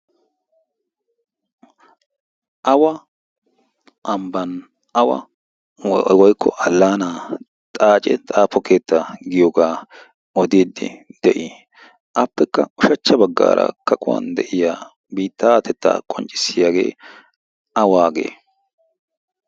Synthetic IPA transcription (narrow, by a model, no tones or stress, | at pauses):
ʔɐwɐ | ʔɐmbɐn | ɐwɐ̰ | wɔjkʰːɔ̰ʔɐlːaːnaː | t̪ʼaːt͡ʃʼɛt̪ʼaːpːɔkʰe̞ːt̪ːaɡɪjɔɡaː | ɔd̪iːd̪ːɪ̰d̪̥ɛʔɪ | ʔɐpːɛkːɐʊʃɐt͡ʃːɐbɐɡːa̰ːɾɐ̰kɐkʼʊwɐ̰nd̪ɛʔɪjaː | biːt̪ʰːat̪ɛt̪ːa̰ːkʼɔnt͡ʃʼɪ̥sːɪjaːɡḛː | ʔɐwaːɡḛː